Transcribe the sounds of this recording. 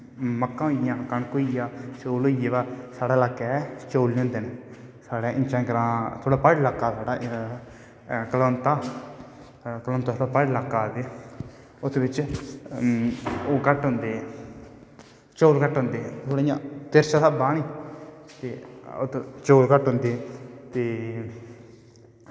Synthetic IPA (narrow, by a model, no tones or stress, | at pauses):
məkːãːoɪjãːkəɳkoːijãːt͡ʃoːloːijeːʋaːsaːɽaːlaːkːɛːt͡ʃoːlːõːnd̪eːneːsaːɽãːʔɪ̃nt͡ʃãːɡəɾãːt̪ʰoːɽaːpəɖlaːkːaːsaːɽaː | kəloːnt̪aː | kəlõːnt̪aːt̪ʰoɽaːpəɖlaːkːaːt̪eː | ʊt̪ʰːʋɪt͡ʃ | oːkəʈɦʊ̃nd̪eː | t͡ʃoːlkəʈɦõnd̪eːɛt̪ʰoːɽijãːt̪eɾʃãːsabːãːñiːt̪ḛːo̰t̪t͡ʃoːlkəʈɦʊ̃nd̪eːɛt̪eː